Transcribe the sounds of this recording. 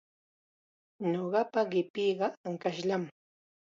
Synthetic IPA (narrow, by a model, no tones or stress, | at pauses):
ɲoɢɑpaɢɪpiːɢɑaŋkaʃʎam